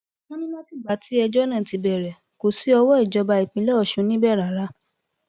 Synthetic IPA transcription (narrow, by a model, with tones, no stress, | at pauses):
mɔ̃˦nĩ˦mã˦ti˦˨ɡ͡ba˨˦ti˦ɛ˧d͡ʒɔ˦nã˦˨ti˧bɛ˨ɾɛ˨ | ko˨si˨˦ɔ˧wɔ˦i˦˨d͡ʒɔ˧˦ba˧i˨k͡pĩ˧˦lɛ˦ɔ˦˨ʃũ˧˦nĩ˦bɛ˦˨ɾa˨˦ɾa˦